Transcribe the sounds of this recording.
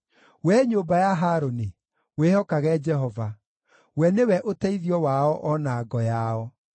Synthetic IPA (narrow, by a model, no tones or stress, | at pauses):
wɛɲoːmbajaɦaːɾone | wehɔkaɣɛd͡ʒɛɦɔva | wɛnewɛʔotaiðiɔwaɔʔɔnaːɡɔjaɔ